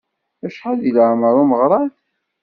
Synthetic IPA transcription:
æʃħaðilʕməɾˤuməʁɾˤɑð

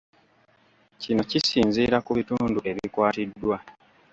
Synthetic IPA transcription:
cino̞cisiːnziːɾakuβituːnduʔe̞βikwaːtidːwa

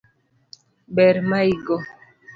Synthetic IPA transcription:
bɛɾmaiɡɔ

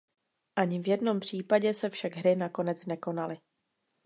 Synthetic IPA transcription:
ʔaɲɪvjɛdno̞mpr̝̥iːpaɟɛsɛfʃaɡɦɾɪnako̞nɛt͡snɛko̞nalɪ

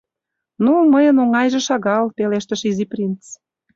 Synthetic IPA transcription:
numəjə̆noŋɑjʒĕʃɑɣɑlpeleʃt̪ə̆ʃiziprʲint͡s

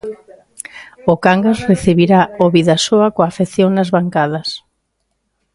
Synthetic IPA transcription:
ʊkaŋɡasreθiβiɾaoβiðasoakoafeθjoŋnazβaŋkað̞ɐs

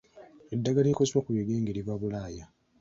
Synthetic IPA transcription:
edːaɡalikoziβokuβeɡeːŋɡeliβaβulaːja

